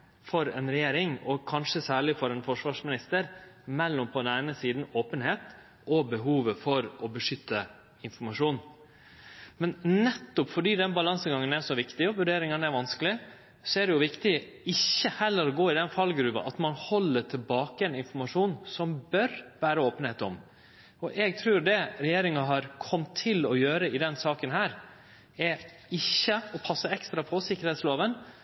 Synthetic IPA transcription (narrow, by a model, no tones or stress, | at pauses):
fɔɾɛ̰nɾɛjeːɾɪŋɔkʰɑnʂəsæːɭɪfɔɾɛnfɔʂʋɑːʂmɪnɪst̪əɾmɛlːɔmpʰɔd̪ɛnæɪnəsiːd̪n̩oːpənheːt̪ | ʔɔbəɦuːʋəfɔɾɔbəʂʏt̪ʰːə | ɪnfɔɾmɑʂuːn | mɛnnɛt̪ːʊpfɔɖiːd̪ɛnbɑlɑnsəɡɑŋːənæʂɔʋɪkt̪ɪɔʋʉɖeːɾɪŋɑnæɾʋɑnsklɪ | sɔæd̪ɛjʊʋɪkt̪ɪɪçːəhɛlːəɾɔɡoːɪd̪ɛnfɑlɡɾʉːbɑ̰ʔɑt̪mɑnhɔlːəʈʰɪlbɑːkəɛnɪnfɔɾmɑʂuːnsɔmbœɾʋæːɾəoːpənheːt̪ɔ̰m | ɔʔɛɡ̚t̪ʰɾʉːɾd̪ɛɾɛjeːɾɪŋɑɦɑɾkʰɔmt̪ʰːɪlɔjøːɾəɪd̪ɛnsɑːkənɦæːɾ | ɛ | ɪçːəɔpʰɑsːəɛkst̪ɾɑpʰɔsɪkːəɾhɛːt̪sloːʋən